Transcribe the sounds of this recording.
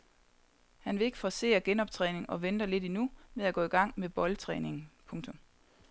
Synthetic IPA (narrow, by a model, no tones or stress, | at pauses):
hænʋe̝le̝ɡ̥fɒse̝̰ːɐɡ̥enɒ̽b̥̚t͡sʰʁɛːne̝ŋɒ̽ʋend̥ɐle̝dinumeðˠæɡ̥ɔ̰iɡ̥ɑ̈ŋ̰meb̥ɒ̽lt͡sʰʁɛ̰ːne̝ŋ̩pʰɔ̽ŋt͡sʰɔ̽m